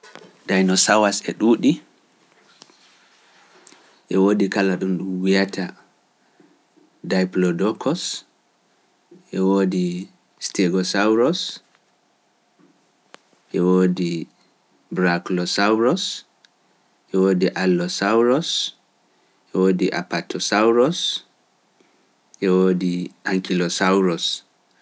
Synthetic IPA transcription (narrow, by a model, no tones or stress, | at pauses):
dajnɔsawasɛɗuːɗi | ʔɛwodikalaɗunɗwijatʰa | dajplɔdɔkʰɔs | ʔɛwodi | steɡɔsawɾɔs | ʔɛwoːdi | bɾaklɔsawɾɔs | ʔɛwoːdiʔalːɔsawɾɔs | ʔɛwoːdiʔa̰patʰɔsawɾɔs | ʔɛwoːdiʔaŋkilɔsawɾɔs